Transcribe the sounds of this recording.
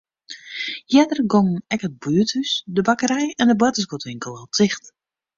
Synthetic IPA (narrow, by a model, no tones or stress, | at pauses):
jɛdərɡɔŋn̩ɛkət̚byətysdəbakəɾɛjɛndəbwɛtəsɡotʋɪŋkəlˠɔlˠtʰɪxt